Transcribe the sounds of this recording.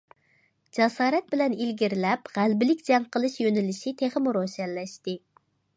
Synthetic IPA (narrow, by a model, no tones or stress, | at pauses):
d͡ʒɑsɑːɾɛt̪̚bɪlɛnilɡʲiɾlɛpʁælbɪlɪkʲd͡ʒɛŋqəlˠɨʃjønɪlɪʃit̪ʰeχəmuɾosɛlːɛʃt̪ɪ